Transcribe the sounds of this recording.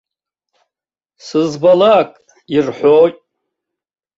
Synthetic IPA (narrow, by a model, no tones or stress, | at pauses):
sɨzbalakʼ | irħʷotʼ